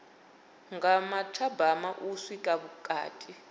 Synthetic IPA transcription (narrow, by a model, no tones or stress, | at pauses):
ŋɡamatʰabamaʔusikʼaβukʼa̰ːtʼi